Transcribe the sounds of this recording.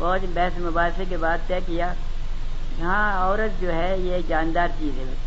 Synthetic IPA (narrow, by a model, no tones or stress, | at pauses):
bɔːd͡ʒbɛːsmɐbaːɾsekebaːd̪̚t̪ɛːkɪjaː | jɐɦãɔːɾət̪̚d͡ʒoːɦɛjekd͡ʒaːnd̪aːɾt͡ʃiːzɦɛb̪